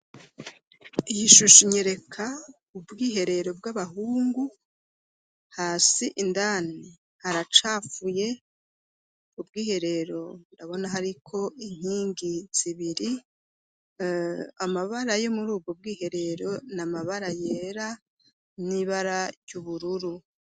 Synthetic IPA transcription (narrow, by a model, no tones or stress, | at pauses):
ijiʃuʃuɲeɾe̞kʰa | ubɡiːɦe̞ɾe̞ɾo̞bɡaβaɦuːŋɡu | haːsiʔindani | haɾat͡ʃafuje̞ | ub̚ɡiːhe̞ɾe̞ɾo̞ndaβo̞naɦaɾikʰo̞ʔiŋ̥hiːŋɡiz̥iβiɾi | amaβaɾajo̞muɾuːbɡob̚ɡiːhe̞ɾe̞ɾo̞namaβaɾaje̞ːɾa | niβaɾaɾjuβuɾuɾu